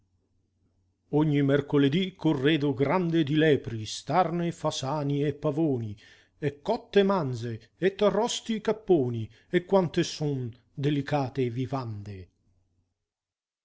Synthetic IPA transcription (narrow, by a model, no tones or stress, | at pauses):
ɔɲːimɛrkoled̪ikʰorːeːd̪ʊɡɾand̪ed̪ilɛːpɾist̪arnefasaːniɛpːavoːni | ɛkːɔt̪ːemand̪ze | ɛt̪ːarɔst̪ikapːoːni | ɛkːwant̪esun | d̪elikaːt̪evivand̪e